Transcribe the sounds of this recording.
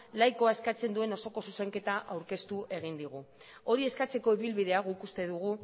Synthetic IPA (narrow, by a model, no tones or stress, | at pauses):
lajko̞ae̞skat͡se̞nd̪ue̞no̞so̞ko̞suse̞ŋke̞t̪aʔawɾke̞st̪uʔe̞ɣ̞ind̪iɣ̞u | o̞ɾie̞skat͡se̞koeβilβið̞e̞aɣoikust̪e̞ðuɣ̞u